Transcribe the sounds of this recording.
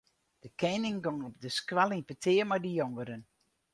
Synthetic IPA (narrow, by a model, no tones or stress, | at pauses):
d̥əkʰɛnɪŋɡɔŋɔp̚dəskwɛlˠinpətʰɪːəmadəjɔŋəɾən